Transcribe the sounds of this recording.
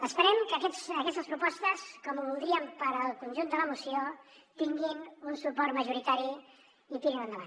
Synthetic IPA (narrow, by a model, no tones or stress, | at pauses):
əspəɾɛmkəkɛsəkɛst̪əspɾupɔst̪əskɔmβulˠd̪ɾiəmpəɾəlˠkunʲʒund̪ələmusio | t̪iŋɡinunsupɔɾməʒuɾit̪aɾi | it̪iɾinə̃nd̪əβa̰n